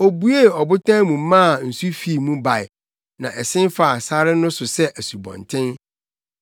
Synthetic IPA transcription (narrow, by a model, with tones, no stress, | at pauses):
o˨bu˦e˦˨ɔ˨bʊ˦tʰã˦mũ˨m˦mã˦˨n̩˨su˦fi˦˨mũ˦ba˨ɪ˨ | nã˨ʔɛ˨sɪ̃˦nfa˨sa˦ɾɪ˦nʊ̃˦sʊ˨sɛ˦ʔæ˨su˨bɔ̰̃˨ntʰɪ̃˦n